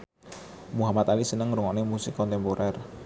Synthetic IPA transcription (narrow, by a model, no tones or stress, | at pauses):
muɦamat̪alisənəŋɾuŋɔnemusɪkːɔnt̪ɛmpoɾʔɛr